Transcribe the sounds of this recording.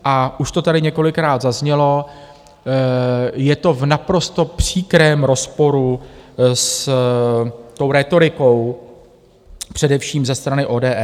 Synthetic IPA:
ʔaʔuʃt̪o̞t̪adɪɲɛko̞lɪkɾaːd̪zazɲɛlo̞ | jɛt̪o̞vnapɾo̞st̪o̞pr̝̥iːkɾɛːmɾo̞spo̞ɾu | s | t̪o̞wɾɛːt̪o̞ɾɪko̞w | pr̝̥ɛdɛfʃiːmzɛst̪ɾanɪʔo̞ːdɛːʔɛ

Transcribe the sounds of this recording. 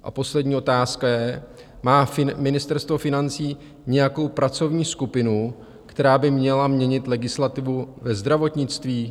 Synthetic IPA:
ʔa̰po̞slɛdɲiːʔo̞t̪aːskajɛ | maːfɪmɪnɪst̪ɛɾst̪vo̞fɪnant͡siː | ɲɛjako̞wpɾat͡so̞vɲiːskupɪnu | kt̪ɛɾaːbɪmɲɛlamɲɛɲɪt̪lɛɡɪslat̪ɪvuvɛzd̪ɾavo̞t̪ɲɪt͡st̪viː

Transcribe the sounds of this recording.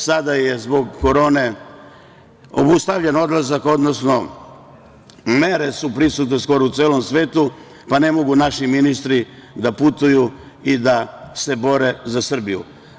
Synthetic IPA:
sad̪ajezbo̞ɡːo̞ɾo̞ːne̞ | o̞̰bust̪aʋʎeno̞d̪lazako̞d̪no̞sno̞ | me̞ɾe̞supɾisut̪ne̞sko̞ɾout̪seːlo̞msʋe̞ːt̪u | pane̞mo̞ɡunaʃiminist̪ɾi | d̪aput̪uju | id̪ase̞bo̞ɾe̞zasr̩bijṵ

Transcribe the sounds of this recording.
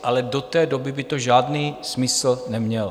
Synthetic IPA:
ʔalɛdo̞t̪ɛːdo̞bɪbɪt̪oʒaːdniːsmɪsl̩nɛmɲɛl

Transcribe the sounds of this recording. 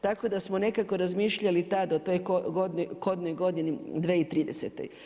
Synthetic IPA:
t̪ako̞d̪asmone̞kako̞ɾazmiːʃʎalit̪ad̪ot̪ojkoɡod̪noko̞d̪nojɡo̞d̪inid̪ʋeːit̪ɾiːd̪eset̪ḛj

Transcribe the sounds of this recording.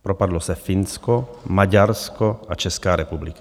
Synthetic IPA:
pɾɔpad̪lɔsɛfinskɔmaɟaɾskɔat͡ʃɛskaːɾɛpublika

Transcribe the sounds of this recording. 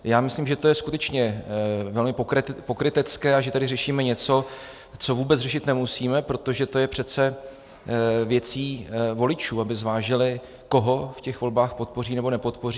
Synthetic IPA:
jaːmɪsliːmʒɛt̪o̞jɛskut̪ɛt͡ʃɲɛvɛlmɪpokɾɪpo̞kɾɪt̪ɪt͡skɛːaʒɛt̪adɪrɛʃiːmɛɲɛt͡so̞ | t͡so̞vuːbɛt͡srɛʃɪt̪nɛmusiːmɛpɾo̞t̪o̞ʒɛt̪o̞jɛpr̝̥ɛt͡sɛ | vjɛt͡siːvo̞lɪt͡ʃuːabɪzvaːʒɪlɪ | ko̞ɦo̞fcɛxvo̞lbaːxpo̞t̪̚po̞riːnɛbo̞nɛpo̞t̪po̞riː

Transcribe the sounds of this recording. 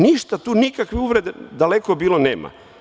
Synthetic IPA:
niʃt̪at̪uːnikakʋiuʋɾe̞d̪ed̪alekobiːlonḛːma̰

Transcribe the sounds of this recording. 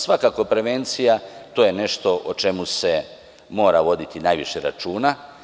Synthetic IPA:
sʋakako̞pɾe̞ʋe̞nt̪sijat̪o̞ːje̞ne̞ʃt̪o̞ʔot͡ʃe̞muse̞ | mo̞ːɾaʋo̞d̪it̪inajʋiʃeɾa̰t͡ʃuːna

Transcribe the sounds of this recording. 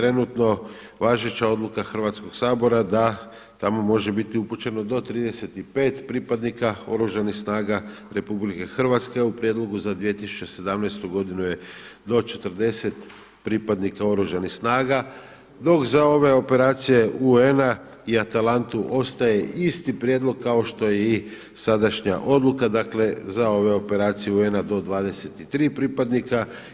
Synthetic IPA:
t̪ɾe̞nut̪no̞ | ʋaːʒet͡ɕao̞d̪lˠukaxr̩ʋat̪sko̞ɡsaːbo̞ɾad̪a | t̪amo̞mo̞ʒe̞bit̪iuput͡ʃe̞nod̪o̞t̪ɾiːd̪e̞se̞t̪ipe̞ːt̪pɾipad̪nikao̞̰ɾuʒanixsnaːɡa | ɾe̞publike̞xr̩ʋat̪ske̞upɾje̞d̪lˠo̞ɡuzad̪ʋije̞t̪isu̥t͡ʃe̞se̞d̪amnajst̪uɡo̞d̪inuje̞d̪o̞t͡ʃe̞t̪əɾd̪e̞se̞t̪ | pɾipad̪nikao̞ɾuʒanixsnaːɡa | d̪o̞kzao̞ʋe̞o̞pe̞ɾaːt̪sije̞uena | iat̪alant̪uʔo̞st̪aje̞ist̪ipɾjed̪lo̞ɡ̚kːao̞ʃt̪o̞jei | sad̪aʃɲa̰ʔo̞d̪lukad̪akle̞zao̞ʋe̞o̞pe̞ɾaːt̪sijeue̞nad̪o̞d̪ʋaːd̪e̞se̞t̪it̪ɾiːpɾiːpad̪nika

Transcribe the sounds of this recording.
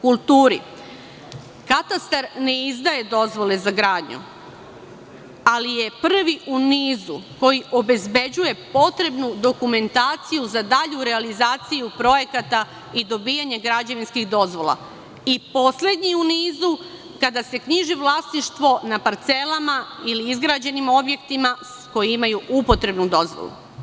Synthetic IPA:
kulˠt̪uːɾḭ | kat̪ast̪aɾne̞izd̪aje̞d̪o̞zʋo̞le̞zaɡɾaːd̪ɲṵ | alije̞pr̩ʋiʔuniːzṵko̞jiʔo̞be̞zbe̞d͡ʑuje̞po̞t̪ɾe̞bnud̪o̞kume̞nt̪aːt̪sijuzad̪aʎuɾe̞alizaːt̪sijupɾo̞je̞kat̪a | id̪o̞biːjaɲe̞ɡɾad͡ʑaʋinskixd̪o̞zʋo̞lˠa̰ | ipo̞sle̞d̪ɲiuniːzu | kad̪ase̞kɲiʒiʋlˠaːsniʃt̪ʋo̞napaɾt̪se̞lamailiizɡɾad͡ʑe̞nimo̞bje̞kt̪ima | ko̞jiimajuupo̞t̪ɾe̞bnud̪o̞zʋo̰lˠṵ

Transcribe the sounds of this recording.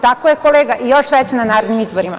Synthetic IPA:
t̪akojekoleːɡaʔijoʃʋɛt͡ɕenanaːɾed̪nimizboɾima̰

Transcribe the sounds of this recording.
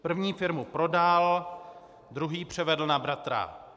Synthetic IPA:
pr̩vɲiːfɪɾmupɾo̞dal | d̪ɾuɦiːpr̝̥ɛvɛdl̩nabɾat̪ɾa̰

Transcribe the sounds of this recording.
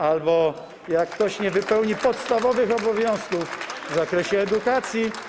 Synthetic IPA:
albɔ | jakːt̪ɔɕɲɛvɘpɛwɲipɔt̪st̪avɔvɘxɔbɔvʲjɔ̃w̃skufvzakɾɛɕɛːd̪ukat̪sʲji

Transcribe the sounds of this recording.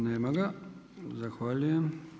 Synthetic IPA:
neːmaɡa | zaxʋaːʎujem

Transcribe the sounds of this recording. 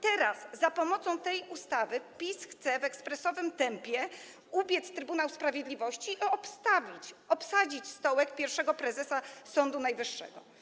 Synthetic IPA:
t̪ɛɾazːapɔmɔt̪sɔ̃w̃t̪ɛjust̪avɘpʲisxt̪sɛvɛkspɾɛsɔvɘmt̪ɛmpʲjɛ | ubʲjɛt̪st̪ɾɘbunawspɾavʲjed̪lʲivɔɕt͡ɕiɔpst̪avʲit͡ɕɔpsad͡ʑit͡ɕst̪ɔwɛk̚pʲjɛɾfʂɛɡɔpɾɛzɛsasɔnd̪unajvɘʂːɛ̰ɡɔ

